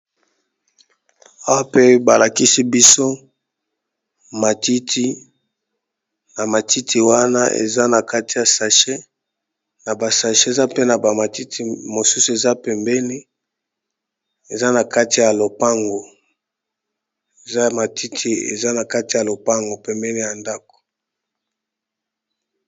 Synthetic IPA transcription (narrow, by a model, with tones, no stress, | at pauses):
a˦wa˦pe˦ba˨la˨ki˦si˦bi˦so˦ | ma˨ti˦tʰi˦ | na˨ma˨ti˦tʰi˨wa˦na˦ʔḛ˨za˦na˨ka˦ti˨ja˨sa˨ʃe˦ | na˨ba˨sa˨ʃe˦e˨za˦pe˦na˨ba˨ma˨ti˦tʰi˨mo˨su˦su˨e˨za˦pɛ˨mbɛ˦li˦ | e˨za˦na˨ka˦ti˨ja˨lo˨pa˦ŋɡo˨ | e˨za˦ma˨tʰi˦tʰi˦ḛ˨za˦na˨ka˦ti˨ja˨lo˨pa˦ŋɡo˨pɛ˨mbɛ˦nli˦ja˨nda˦k̚o̥˨